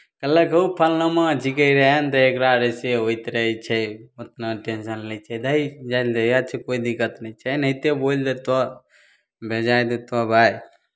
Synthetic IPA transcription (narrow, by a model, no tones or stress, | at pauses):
kəlːəkəupʰəlnəmad͡ʒikəiɾəɦent̪ɔekɾaɾeseɦojt̪ɾəɛt͡ʃʰɛot̪naʈenʃənlɛt͡ʃʰɛd̪əid͡ʒajld̪ejat͡ʃʰekoid̪ikːət̪nəit͡ʃʰɛnəit̪ebold̪et̪ɔ | bʱed͡ʒajd̪et̪ɔbʱaj